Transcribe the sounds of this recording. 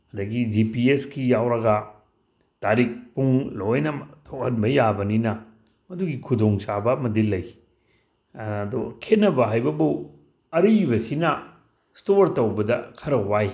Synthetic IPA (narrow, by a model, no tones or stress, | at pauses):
ɐdɐɡid͡ʒipieskijawɾɐɡɐ | taɾik̚puŋlojnɐtʰok̚hɐnbɐjabɐninɐ | mɐduɡikʰudoŋsabɐmɐdilɐj | dukʰetnːɐbɐɦajbɐbu | ɐɾibɐsinɐ | stoɾtɐwbɐdɐkʰɐɾɐwaj